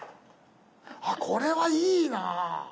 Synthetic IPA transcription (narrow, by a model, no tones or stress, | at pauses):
akʰoɾe̞βaiːna